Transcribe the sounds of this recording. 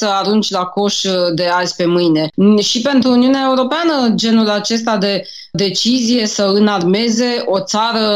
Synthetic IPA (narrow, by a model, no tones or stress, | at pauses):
səaɾunt͡ʃʲlako̞ʃd̪e̞azʲpe̞mɨjne̞ʃipe̞nt̪ɾuːniuneae̞uɾo̞peanəd͡ʒe̞nulat͡ʃe̞st̪ad̪e̞ | d̪e̞t͡ʃizije̞səɨnarme̞ze̞o̞t̪saɾə